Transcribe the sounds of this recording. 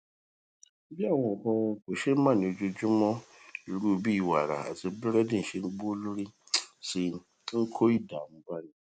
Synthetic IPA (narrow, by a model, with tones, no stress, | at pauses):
bi˦a˦˨wɔ̃˨kɔ˦ko˨ʃe˦m̩˦ma˦˨ni˨o˨d͡ʒo˨d͡ʒʊ˦mɔ˦i˨ɾu˦˨bi˦˨wa˨ɾa̰˨a̰˨zɪ˨bɪ˦ɾɛ˦dɪ˦n̩˨ʃe˨ŋ͡m̩˦ɡ͡bu˦o˦lu˦ɾi˦ | sɪ˨ | ŋ̩˦kʰo˦i˦da˨m̩˦ba˦ni˨